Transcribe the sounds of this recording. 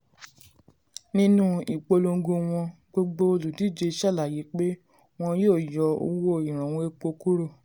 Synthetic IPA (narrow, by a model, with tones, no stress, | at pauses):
nĩ˦nũ˦i˨k͡po˧lo˧ŋ˦ɡo˧w̃ɔ̃˧ | ɡ͡bo˦ɡ͡bo˦o˧lu˨di˦˨d͡ʒe˧ʃɛ˦˨la˨ji˨˦k͡pe˦ | w̃ɔ̃˧joː˦˨jɔ˨˦o̰˧wo˦˨i˨ɾ̃ã˨w̃ɔ̃˧˦e˧k͡po˧ku˦ɾo˦˨